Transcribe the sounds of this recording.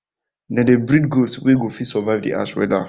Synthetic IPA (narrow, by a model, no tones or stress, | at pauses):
nãdebɾidɡotweɡofisɔvaɪvdḭʔa̰sʃwɛ̰da